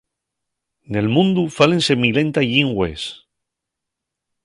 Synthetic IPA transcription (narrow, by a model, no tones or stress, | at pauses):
ne̞lmũnd̪ufalẽnsemilẽ̞nt̪aʝiŋɡwḛs